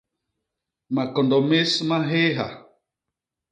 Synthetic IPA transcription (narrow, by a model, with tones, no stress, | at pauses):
ma˨kɔ˨ndɔ˨me˦smã˦ɦe˦ɦa̰˨